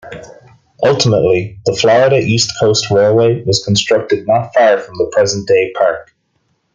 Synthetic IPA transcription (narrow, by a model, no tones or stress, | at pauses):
ʔʌlˠtʰəmə̰ʔˡliðəflɔɹɪɾəʔistkʰoʊstʰɹeɪlˠweɪwɒz̥kʰə̃n̩stɹ̥ʌk̚tɨdⁿnətfɑɹfɹə̃mðəpʰɹ̥ɛzə̃nd̥eɪpʰaɹk